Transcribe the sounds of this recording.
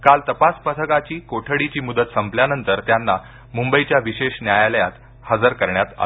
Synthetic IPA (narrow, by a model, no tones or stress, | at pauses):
kalt̪əpaspət̪ʰəkat͡ɕiːkoʈʰəɽit͡ɕiːmud̪ət̪səmpljanənt̪əɾt̪janːa | mumbəit͡ɕjaʋiɕeɕnjajaləjat̪ | həd͡zəɾkəɾɳjat̪a̰